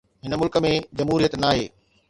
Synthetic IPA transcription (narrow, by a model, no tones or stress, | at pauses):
ɦɪnəmʊlkə̆mẽd͡ʑɐmɦuːɾijət̪naːɦḛː